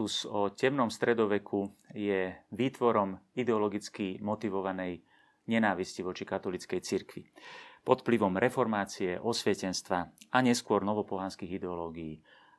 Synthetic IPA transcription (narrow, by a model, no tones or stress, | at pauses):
usɔcɛmnɔmst̪ɾɛd̪ɔʋɛkʰujɛʋiːt̪ʋɔɾɔmid̪ɛɔlɔɡit͡skimɔt̪iʋɔʋanɛj | ɲɛnaːʋisciʋɔt͡ʃikat̪ɔlit͡skɛjt͡siɾkʋḭpɔt̪pliʋɔmɾɛfɔɾmaːt͡siɛʔɔsʋɛcɛnst̪ʋaaɲɛskʊɔɾnɔʋɔpɔɦaːnskiːɣid̪ɛɔlɔːɡijiː